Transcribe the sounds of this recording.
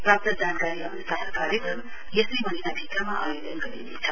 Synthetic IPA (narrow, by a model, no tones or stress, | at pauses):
prap̚t̪ʌd͡zankaɾiɦʌmnusaɦkaɾjekrʌm | jesʌjmʌninabʱikamaʔa̰jolʌnɡʌɾḭnḛt͡sʰʌ